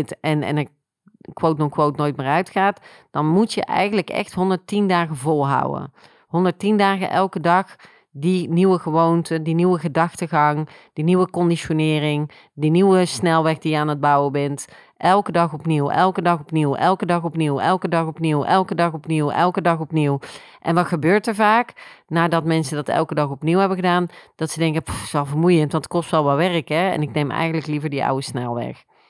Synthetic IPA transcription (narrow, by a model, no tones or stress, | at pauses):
tɛnɛ̰nə | kʋowtnɔkʋowtnoːjtmɪːɹœɥtxaːt | d̥ɑnmutjə̰ʔɛ̰jɣənləkɛ̰xtɦɔndəɹtindaːɣəvɔlˠɦʌ̰wə̰ | ɦɔndəɹtindaːɣənʔɛlˠkədɑx | diniʋəɣəʋowntədiniwəɣədɑxtəɣɑŋd̥iniʋəkɔndiʃonɪːrɪŋ | diniwəsnɛlˠʋɛxdijəaːnəd̚bʌwəbɛnt | ʔɛlˠkədɑχɔpniwɛ̰lˠkədɑχɔpniwɛ̰lˠkədɑχɔpniwɛ̰lˠkədɑχɔpniwɛ̰lˠkədɑχɔpniwɛ̰lˠkədɑχɔpniw | ʔɛnʋɑtxəbøːɹtəɹvaːknaːdɑtmɛnsədɑtɛ̰lˠkədɑχɔpniwɦɛbəɣədaːnd̥ɑtsədɛŋkəpu̥ɪsʋɛlˠvəɹmujəntʋɑntətkɔstʋɛlˠʋɛʋɛrəkɛɛ̰nɪknejmɛ̰jxəndələklivəɹdiʌ̰wəsnɛlˠʋɛ̰x